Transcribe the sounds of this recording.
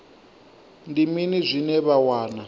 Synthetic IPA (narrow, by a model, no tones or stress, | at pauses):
ndiminizʷinɛβawaːna